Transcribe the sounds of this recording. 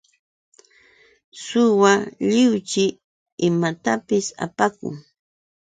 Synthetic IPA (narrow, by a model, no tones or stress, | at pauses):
sʊwaʎɪwt͡ʃɪː | mat̪apɪsa̰pakʊ̰ŋ